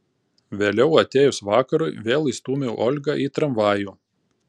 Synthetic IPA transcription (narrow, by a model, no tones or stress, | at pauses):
ʋʲeːlʲɛʊɐt̪ʲeːjʊsʋɑːkɐɾʊɪʋʲeːlˠist̪uːmʲeʊʔɔːlʲɡɑʔiːt̪ɾɐmʋɑːjuː